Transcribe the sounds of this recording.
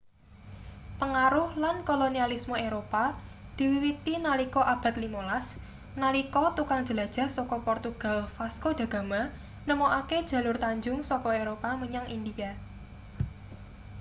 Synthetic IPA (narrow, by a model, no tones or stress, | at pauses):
pəŋaɾʊhlankolonialismoeɾopad̪̥i̤wiwit̪inalikɔʔab̥a̤t̪limolas | nalikɔt̪ukaŋ̥d͡ʒ̥ə̤lad̥ʒ̥a̤sɔkɔpɔrt̪uɡ̥a̤lfaskod̪̥ä̤ɡ̥a̤ma | nəmoʔaked̥ʒ̥ä̤lʊrt̪aɲd͡ʒʊŋsɔkɔeɾopaməɲaŋʔind̪ija